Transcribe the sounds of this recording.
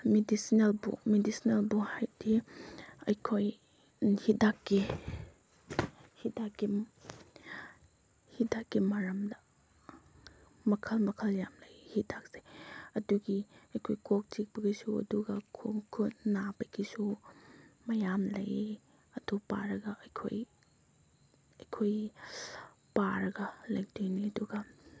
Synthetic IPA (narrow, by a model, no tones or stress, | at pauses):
medisinelbṵmedisinelbuhajdi | ɐ̰jkʰoj | hidakːi | hidakːi | hidakːimɐɾɐmdɐ | mɐkʰɐlmɐkʰɐljamlɐjhidak̚seɐduɡiɐjkʰojkok̚t͡ʃik̚bɐɡisuɐ̰duɡɐkʰuŋkʰutnabɐɡisu | mɐjamlɐ̰j | ɐdupa̰ɾɐɡɐɐjkʰo̰j | ɐjkʰoj | paɾɐɡɐlɐjdojniɐduɡɐ